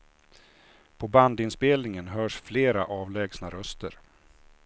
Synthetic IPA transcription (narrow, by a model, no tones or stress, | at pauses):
pʰɔband̪ɪnspeːlnɪŋənɦœːʂfleːɾa̰ʔɑːvlɛːɡsnaɾœst̪əɾ